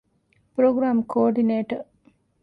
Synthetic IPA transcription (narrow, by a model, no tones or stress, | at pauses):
pɾoːɡɾaːmkʰoːɾɖineːʈəɾ